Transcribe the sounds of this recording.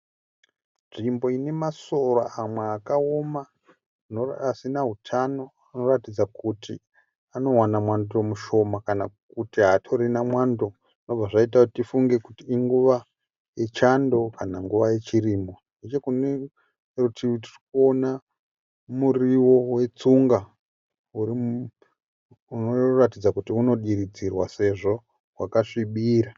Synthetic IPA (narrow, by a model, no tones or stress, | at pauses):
nʐimbo̞ine̞maso̞raamweːkaoma | noasinaɦutʰano̞ | ano̞ratid͡zakuti | ano̞wanamwandomuʃo̞makana̰kutiɦatʰo̞ɾinamwando̞ | ʐino̞b͡vaʐait̬akutifuŋɡe̞kutiːŋɡuʋa | je̞t͡ʃando̞kanaŋɡuʋaje̞t͡ʃiriːmbo̞nde̞t͡ʃe̞kune | rutʰitirikuo̞na | muriwo̞we̞t͡suŋɡa | uɾi | unoratid͡zakutiuno̞ɗiɾid͡zirwase̞ʐo̞ | ɦwa̰kaʂiɓiːɾa